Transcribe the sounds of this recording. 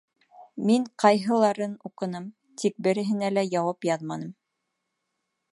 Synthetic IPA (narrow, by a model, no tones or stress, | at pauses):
miŋqʰɑjɦɤ̆lˠɑɾɤnuqɤ̆nɤm | t̪ʰik̚bɘ̆ɾɘ̆ɦɘ̆nælæjɑwɑpjɑðmɑnɤm